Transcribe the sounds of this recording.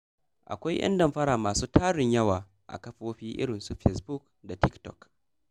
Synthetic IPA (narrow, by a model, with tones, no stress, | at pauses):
ʔa̰˨kʷa˦jʔɐ̰˦ndɐ˦˨mɸɐ˦ɽaː˨maː˨suː˦tʰaː˦ɽɪ˨ɲjɐ˦waː˨ | ʔa̰˨kɐ˦ɸoː˦ɸiː˦ʔɪ̰˦ɽɪ˨nsu˦ɸɛ˨sbu˦k | da˨tɪ˦ktɔ̰˨k